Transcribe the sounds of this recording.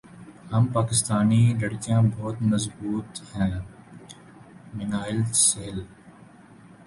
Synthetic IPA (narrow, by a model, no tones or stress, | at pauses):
ɦɐmpaːkɪst̪aːnilɐɽkijãːbɔːt̪mɐzbuːt̪hɛ̃ː | mɪnaːɪlseːl